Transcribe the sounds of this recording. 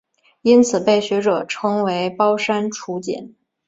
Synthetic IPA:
i˥nt͡sʰɹ̩˨˩pe˥˩ɪɕɥɛ˧˥ʈ͡ʂɤ˨˩ʈ͡ʂʰɤ˥ŋwe˧˥ɪpɑ˥ʊʂa˥nʈ͡ʂʰu˧˥t͡ɕjɛ̰˨˩˦n

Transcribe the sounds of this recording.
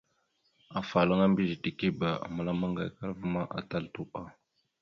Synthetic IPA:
a˨fa˨la˦ŋa˦mbi˦ʒi˨ti˨ki˦ba˨a̰˨ma˦la˦ma˦ŋɡa˨jka˦ɾvə˦ma˦ʔa̰˨ta˦˨ltu˦ʔa˦

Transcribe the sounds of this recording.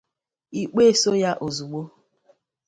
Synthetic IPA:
i˦k͡pe˦˨so˦ja˦ʔo˨zu˨ɡ͡bo˦

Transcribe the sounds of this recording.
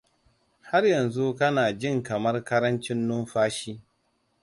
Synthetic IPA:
ha˦rjɐ˨nzu˦kɐ˦naː˨d͡ʒɪ˦˨ŋkɐ˨mɐ˦rkɐ˦ɾɐ˦nt͡ʃɪ˦nːʊ˦mɸaː˦ʃiː˦

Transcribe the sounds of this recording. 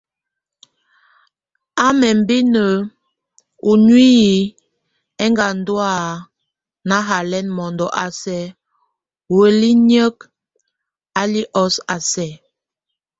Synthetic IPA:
a˦mɛ˨m˦bi˦nə˨ | u˨nwi˦i˨ | ɛ˦ŋɡa˨n̩˦dwa˦˨ | na˦ɦa˨lɛ˦nmɔ˨ndɔ˨ʔa˨sɛ˨˦ | we˨li˦ɲə˦k | a˦li˦ʔɔ˦sa˨sɛ˨

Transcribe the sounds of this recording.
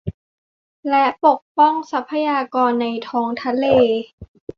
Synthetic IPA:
lɛ˦˥ʔpo˨˩k̚pɔ˥˩ŋsa˦˥pʰːa˧jaː˧kɔː˧nːa˧jt̪ʰɔː˦˥ŋt̪ʰa˧˥leː˧

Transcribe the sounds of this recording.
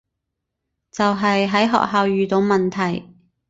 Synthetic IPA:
t͡sɐ˨wɦɐ˨jɦɐ˨˥jɦɔ̰ː˨k̚ɦaː˨˧wjyː˨t̪o˨˧wmɐ˨nt̪ʰɐ˨˩j

